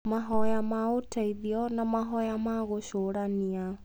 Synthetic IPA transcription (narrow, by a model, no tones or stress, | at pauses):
maɦɔjamaotʰaiðiɔnamaɦɔjamaɣoɕoɾania